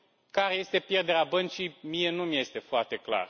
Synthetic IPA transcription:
kaɾeje̞st̪e̞pje̞rd̪e̞ɾeabənt͡ʃijmije̞numje̞st̪e̞foart̪e̞kla̰r

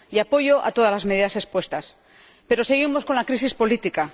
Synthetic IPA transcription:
iapo̞ʝoʔa̰t̪o̞ð̞azlazme̞ðiðase̞spwe̞st̪as | pe̞ɾo̞se̞ɣ̞imo̞sko̞nlakɾis̬ispo̞lit̪ika

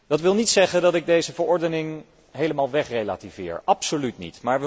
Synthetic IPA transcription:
d̥ɑtʋɪlˠnitsɛχəndɑtɪɡ̚dejzəvəɹɔɹdənɪŋ | ɦejləmaːlˠʋɛχrejla̰ːtivɪ̰ːɹɑpsolytnḭtmaːɹʋə

